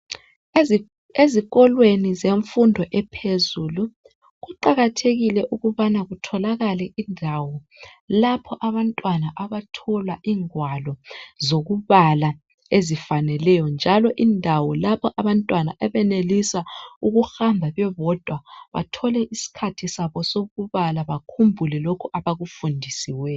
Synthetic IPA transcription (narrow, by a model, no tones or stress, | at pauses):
eziɣɔlwenizeɱfundʱɔʔɛpʰezulu | ɣuǃaɣatʰeɣilɛʔuɣuβanaɣutʰɔlaɣalɛʔindʱawɔ | lapʰɔʔaβantʼwanaʔaβatʰɔlaʔiːŋwalɔzoɣuβala | ezifanɛlɛjɔnd͡ʒʱalɔʔindʱawɔlapʰɔʔaβantʼwanaʔɛβɛnelisauɣuxambʱaβɛβɔd̥ʱwaβa̰tʰɔlɛʔisi̥kʰatʰisaβɔsoɣuβalaβakʰumbʱulɛlokʰuʔaβaɣufundʱisiwɛ